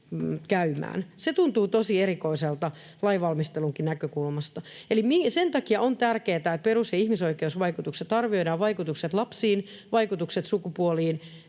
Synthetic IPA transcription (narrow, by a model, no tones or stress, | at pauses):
kæymæ̰ːnset̪unt̪uːt̪osieɾikoiselt̪ɑ | lɑiʋɑlmist̪eluŋkinækøkulmɑst̪ɑelimisent̪ɑkiɑʔont̪ærkeːt̪æet̪̚perusjɑihmisoikeusʋɑikut̪ukset̪ɑrʋio̞idɑːʋʋɑikut̪ukset̪lɑpsiːnʋɑikut̪ukset̪sukupuoliːn